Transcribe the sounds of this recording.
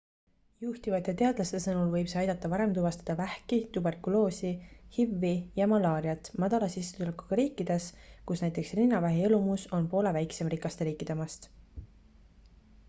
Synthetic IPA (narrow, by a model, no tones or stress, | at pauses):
juht̪ivɑt̪ːˑet̪e̞ɑd̪̥lɑst̪esɤnulvɤjbsɑjd̪ɑt̪ːˑɑpɑɾe̞mt̪uvɑst̪ɑ̥d̪̥ɑvæhkit̪ube̞rkulo̞ːsihivːijɑmɑlɑːɾiɑt̪ːˑmɑd̪̥ɑlɑsisːt̪uleku̥ɡ̥ɑɾiːkːˑid̪̥e̞skusnæjt̪ːˑe̞ksrinːɑvæɦeelumuso̞npo̞ːle̞væjkse̞mrikˑɑst̪e̞ɾiːkːˑid̪̥emɑst̪